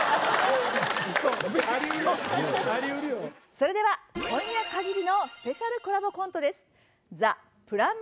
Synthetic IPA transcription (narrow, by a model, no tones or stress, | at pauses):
soaɾʲiɯɾoaɾʲiɯɾɯjoso̞ɾe̞d̪e̞βakʰõ̞j̃jakaɡʲiɾʲino̞sɨ̥pe̞ɕaɾɯ̟koɾabo̞kõ̞nt̪o̞d̪e̞sɨ̥ | za | pɯ̟ɾãn